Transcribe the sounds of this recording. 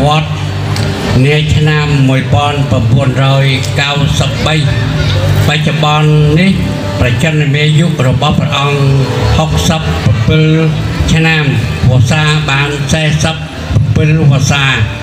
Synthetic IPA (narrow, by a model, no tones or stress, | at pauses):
ʋŏət̪̚ | niət͡ɕʰnamːuəjpŏənpramɓuənrɔːjkawsəp̚ɓəj | pac̚t͡ɕːoɓɑnːih | prɑt͡ɕənnɨmiəjuʔrɔɓɑhprɛ̆ʔɑŋhok̚səpːrɑpɨl | t͡ɕʰnamʋʊəsaːɓaːnsaɛsəp̚ː | rpɨlpoəsaː